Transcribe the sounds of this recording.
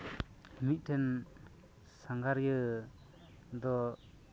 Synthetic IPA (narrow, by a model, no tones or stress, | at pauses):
hmit̪̚ˀtʰɛn | saŋɡaɾjɯ | d̪ɔ